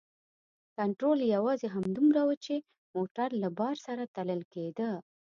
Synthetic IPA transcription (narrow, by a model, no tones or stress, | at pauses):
kaɳʈɾoljawɑzeɦamd̪umɾawət͡ʃe | moʈaɾlabɑɾsaɾat̪aləlked̪ə